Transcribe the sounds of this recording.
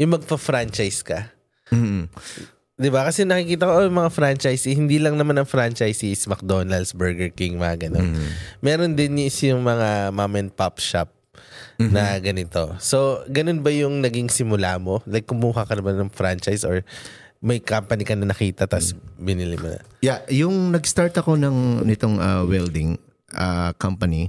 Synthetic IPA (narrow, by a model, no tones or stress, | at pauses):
jʊŋmɐɡ̚pɐfɾant͡ʃɐjskɐ | d̪ɪbakɐsɛjʊnɐkɪkiːt̪ɐko̞ʔojʊŋmɐŋafɾant͡ʃajsɪhɪnd̪iːlɐŋnɐmanɐŋfɾant͡ʃajsɪsmɐk̚d̪onɐld̪sbɛɹɡɛɹkɪŋmɐŋaɡɐno̰nmɛːɾond̪ɪnjsjʊŋmɐŋamamɛnpapʃap̚ | nɐɡɐnɪt̪o̞so̞ɡɐno̞nbɐjʊŋnɐɡiŋsɪmʊlaːmo̞lɐɡk̚kːʊmuːɦɐkɐnɐbanɐŋfɾant͡ʃajsoɹ | mɐjkampɐnɪkɐnɐnɐkiːt̪ɐt̪ɐsbɪnɪlɪmʊ̰nɐ̰jajʊŋnɐɡst̪aɹt̪ɐko̞nɐŋnɪt̪oŋɐwɛld̪ɪŋ | ʔɐkampɐni